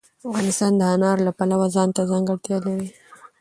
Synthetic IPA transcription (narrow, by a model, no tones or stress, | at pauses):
afɣɑnɪst̪ɑnd̪əanɑɾlapalawazɑnt̪azɑŋɡəɽt̪jɑlawi